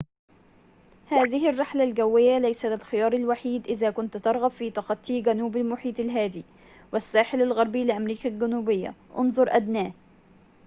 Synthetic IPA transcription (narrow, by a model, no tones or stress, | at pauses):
haːðɪhɪrːɪħlalɡawːɪjːalajsalɪlxɪjɑːɾˤalwaħiːd̪ʔɪðaːkʊnt̪t̪ɑɾˤɣɑbfiːt̪ɑqɑt̪ˤːiːɡanuːbalmʊħiːt̪alɦaːd̪iː | wɪsːaːħɪlalɣɑɾˤbiːlɪʔamɾiːkalɡænuːbɪjːa̰ʔʊnzˤʊɾˤʔad̪naːh